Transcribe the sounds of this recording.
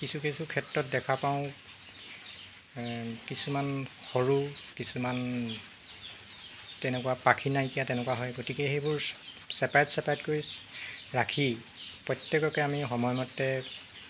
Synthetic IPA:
kisukesukʰɛtɹɔt̚dɛkʰapaʊ̃ | kisumanxoɹukisuman | tɛnɛkuwapakʰinajkijatɛnɛkuwaɦɔjɡotikɛxejbʊɹ | sɛpaɹɛtsɛpaɹɛtkoɹisɹakʰipɹɔjtjekɔkɔjamixɔmɔjmɔtːɛ

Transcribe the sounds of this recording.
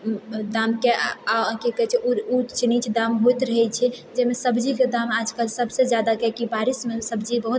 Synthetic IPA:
d̪amkeakekɛɦɛt͡ʃʰɛut͡ʃʰinit͡ʃʰd̪amɦojt̪ɾəɦɛt͡ʃʰɛd͡ʒemesəbd͡ʒiked̪amad͡ʒkəlsəbsed͡ʒjad̪akɛkibaɾismesəbd͡ʒibəɦut̪̚

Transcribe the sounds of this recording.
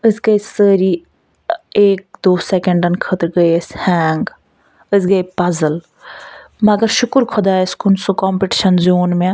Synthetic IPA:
ɨsɡəjsəːɾiː | eːk̚d̪oːsekəɳɖɐnkʰət̪ɾɡəjshɛːŋɡ | əsɡəjpɐzəl | mɐɡɐɾʃʊkɾkʰod̪aːəskunsukɔːmpiʈiʃɐnzuːnmẽ

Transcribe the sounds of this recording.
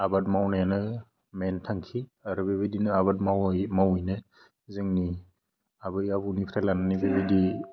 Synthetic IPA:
abat̚mawnajanɯ | mentʰaŋkʰiaɾubebedinɯabat̚mawjmawɯjnɯ | zɯŋni | abɯjabuwnipʰɾalanɯnibebedi

